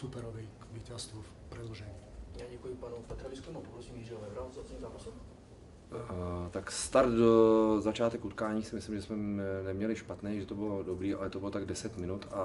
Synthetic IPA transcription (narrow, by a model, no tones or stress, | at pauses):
supɛɾovijkvicast̪luf | prɛloʒɛɲiːjaːɟɛkujɪpanupɛt̪ɾavɪskɛmopopɾosiːmjiːrɪovɛvɾalt͡sasɲiːmzaːpasɛm | t̪akst̪aɾt̪dozat͡ʃaːt̪ɛkut̪kaːɲiːsɪmɪslɪmʒɛsmɛnɛmɲɛlɪʃpat̪nɛːʒɛt̪obɪlodobɾiːʔa̰lɛt̪obɪlot̪aɡ̚dɛsɛt̪mɪnut̪a